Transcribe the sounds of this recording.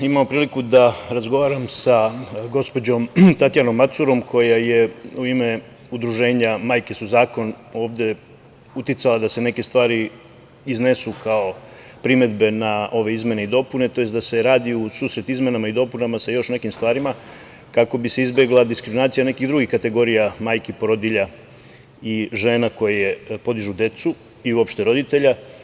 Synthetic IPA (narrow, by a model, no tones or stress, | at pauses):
imamopɾiːlikud̪aɾazɡo̞ʋaːɾamsaɡo̞spo̞d͡ʑo̞mt̪at̪jano̞mːat̪suɾo̞mkʰo̞jaje̞uime̞ | ud̪ɾuʒe̞ːɲamaːjke̞suzaːko̞no̞ːʋd̪e̞ | ut̪it̪salad̪ase̞ne̞ke̞st̪ʋaːɾi | izne̞sukʰao̞ | pɾime̞d̪be̞naʔo̞ʋe̞izme̞neid̪o̞pune̞t̪o̞jest̪d̪ase̞ɾaːd̪iusuːsɾe̞t̪izme̞namaid̪o̞punamasajo̞ʃne̞kimst̪vʋaːɾima | kako̞bise̞izbe̞ɡlˠad̪iskɾiminaːt̪sijane̞kid̪ɾuɡixkat̪e̞ɡo̞ɾijamaːjkipoɾo̞d̪iʎa | iʒeːnako̞jaje̞po̞d̪iʒud̪e̞t̪su | iuo̞pʃt̪e̞ɾo̞d̪it̪e̞ʎa